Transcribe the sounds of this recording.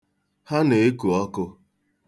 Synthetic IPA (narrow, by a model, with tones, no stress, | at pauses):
ha˦ne˨e˦ku˨ɔ˦kʊ˦